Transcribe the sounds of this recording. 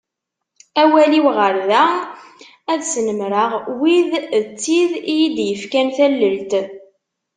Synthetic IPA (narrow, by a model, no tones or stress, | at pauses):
æwæliwʁəɾðæ | æðsənəmɾəʁwiðt͡sːiðijid̪jəfkænθælːəlt̪